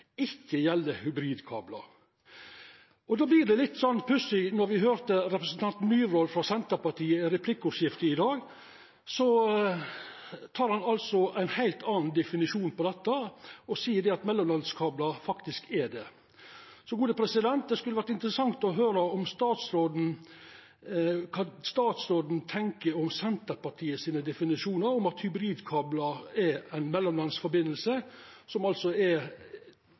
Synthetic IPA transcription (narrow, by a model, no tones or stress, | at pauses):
ɪçːəjɛlːəhʉbɾiːd̪kʰɑ̰ːblɑ̰ | ɔd̪ɑːblɪːɖɛlɪt̪ːsɔnːpʰlʉsɪnɔɾʋɪɦøːɾt̪əɾɛpɾəsn̩t̪ʰɑnt̪n̩nyːʋɾɔːlfɾɑsɛnt̪əɾpɑʈʰiːəɾɛpʰlɪkːuːʂɪft̪əɪd̪ɑːɡ | sɔ | t̪ʰɑːɾhɑnɑlsɔæɪnhæɪlt̪ɑːnn̩d̪ɛfɪnɪʂuːnpɔd̪ɛt̪ːɑɔsiːəɖɛɑt̪mɛlːɔmlɑnskʰɑːblɑfɑkt̪ɪskɛd̪ɛ | sɔɡuːd̪əpʰɾɛsɪd̪ɛnt̪̚d̪ɛskʉləʋæɾʈ̪ːɪnt̪əɾəsɑŋt̪ɔɦøːɾəɔmst̪ɑːt̪sɾoːd̪n̩ | kʰɑst̪ɑːt̪sɾoːd̪n̩t̪ʰɛŋkəɾɔmsɛnt̪əɾpɑʈʰiːəsiːnəd̪ɛfɪnɪʂuːnəɾɔmɑt̪hʏbɾiːd̪kʰɑːblɑɾɛɾæɪnmɛlːɔmlɑnsfɔɾbɪnːəlsə | sɔmɑlsɔɛ